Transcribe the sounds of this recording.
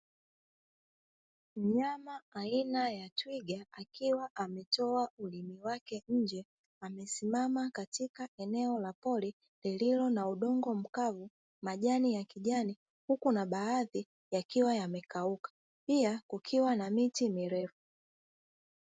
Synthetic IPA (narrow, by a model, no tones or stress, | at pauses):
m̩ɲamaainajatwiɡaakiwaʔamɛtɔaulimiwakɛɲ̩d͡ʒɛ | amɛsimamakatikaɛnɛɔlapɔli | lililɔnauɗɔŋɡɔm̩kavu | maʄanijakiʄani | hukunaɓaaði | jakiwajamɛkaukḁ | piakukʰiwanamitimiɾɛfu